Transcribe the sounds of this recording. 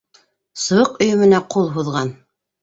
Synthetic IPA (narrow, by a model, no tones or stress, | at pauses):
sɤ̆wɤqɵ̆jɵ̆mɘ̆næqulˠɦuðʁɑn